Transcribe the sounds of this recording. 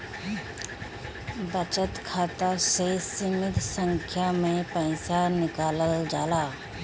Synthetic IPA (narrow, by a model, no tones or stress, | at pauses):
bət͡ʃət̪kʰaːt̪asesɪmɪt̪sə̃ŋkʰjamẽpɛ̃ɪsanɪkaːləld͡ʒaːlaː